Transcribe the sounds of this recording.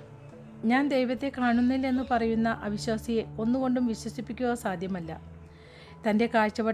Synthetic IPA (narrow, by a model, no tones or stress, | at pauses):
ɲaːnd̪e̞jʋɐt̪ːe̞kaːɳunːilːe̞nːɨpɐrɐjunːɐʔɐʋiɕwaːsijeo̞nːuɣo̞ɳɖumʋiɕwɐsipːikʲːuɣɐsaːd̪ʱjɐmɐlːɐ | t̪ɐnde̞kaːɻt͡ɕːɐʋɐ